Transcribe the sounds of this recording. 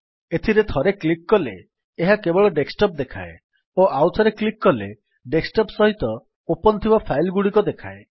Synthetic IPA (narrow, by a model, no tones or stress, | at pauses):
et̪ʰiɾet̪ʰɔɾeklikːɔlḛː | ɦakebɔɭɔɖeksʈɔp̚d̪ekʰa̰e | oʔawsʰɔɾeklikːɔlḛ | ɖeksʈɔpsɔɦit̪ɔ | opɔnt̪ʰibapʰajlɡuɽikɔd̪ekʰa̰e